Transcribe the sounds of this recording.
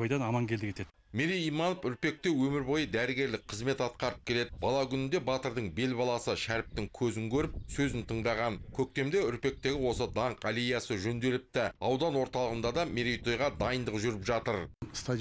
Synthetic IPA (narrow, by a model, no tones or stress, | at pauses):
ojd̪ɑnɑmɑŋkʲʰeld̪ɪkʰʲet̪ed̪ | meɾijimɑnofʏɾpe̞k̚t̪e̞wɵmɪɾbo̞jəd̪æɾɪɡʲe̞ɾlɪk̚qʰəzme̞t̪ɑt̪̚qɑɾəp̚kʲʰe̞le̞d̪ɪbɑlˠɑkʲʰʏnɪnd̪e̞bɑt̪əɾd̪əɴbe̞lbɑlˠɑsəʃæɾp̚t̪ɪŋkʲʰɵzɪŋkʲʰɵɾɪp̚sɵzɪnt̪ʰəɴd̪ɑʁɑnkʲʰɵk̚t̪e̞md̪e̞ʏɾpe̞k̚t̪e̞ɡʲɪwo̞səd̪ɑɴqɑlijɑsəʒɵnd̪e̞lɪp̚t̪ɪɑwd̪ɑnwo̞ɾt̪ɑlˠəʁənd̪ɑd̪ɑmeɾijt̪ojʁɑd̪ɑjənd̪əqʒʏɾɪpʒɑt̪əɾst̪a